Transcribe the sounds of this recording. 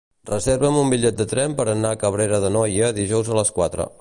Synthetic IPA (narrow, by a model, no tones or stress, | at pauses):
rəzeɾβəmumbiʎɛt̪̚d̪ət̪ɾɛmpəɾənaəkəβ̞ɾeɾəðənɔjəðiʒɔwzələskwat̪ɾə̰